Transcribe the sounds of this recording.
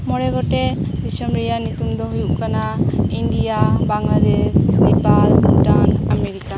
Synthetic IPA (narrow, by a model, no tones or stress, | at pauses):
mɔɹɛɡɔtɛbisɔmɹijanit̪und̪ɔɦujuʔkanaindijabaŋlad̪ɛsnɛpaldanameɹika